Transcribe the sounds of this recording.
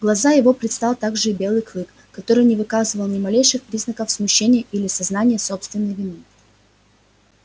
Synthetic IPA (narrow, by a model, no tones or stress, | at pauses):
ɡlˠɐzajɪvo̞pɾʲɪt̪st̪alˠt̪aɡʐɨɪbʲe̞lˠɨjklˠɨk | kɐt̪o̞ɾɨjnʲɪvɨkazɨvəlˠnʲɪmɐlʲejʂɨxpɾʲiznəkəfsmʊɕːenʲɪjəʔilʲɪsɐznanʲɪjəso̞pst̪vʲɪnːəjvʲɪnɨ